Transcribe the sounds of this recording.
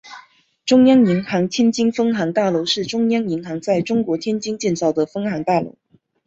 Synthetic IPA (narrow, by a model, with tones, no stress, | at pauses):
ʈ͡ʂʊ˥ŋjɑ˥ŋi˧˥ŋxɑ˧˥ŋt͡ɕ̪ʰɛ˥nt͡ɕi˥nfɤ˥ŋxɑ˧˥ŋt̪a˥˩lo˧˥ʊʂɻ̩˥˩ʈ͡ʂʊ˥ŋjɑ˥ŋi˧˥ŋxɑ˧˥ŋt͡sa˥˩ɪʈ͡ʂʊ˥ŋkwɔ˧˥t̪ʰjɛ˥nt͡ɕi˥nt͡ɕjɛ˥˧nt͡sɑ˥˩ʊd̪ə˩fɤ˥ŋxɑ˧˥ŋt̪a˥˩lo̰˧˥ʊ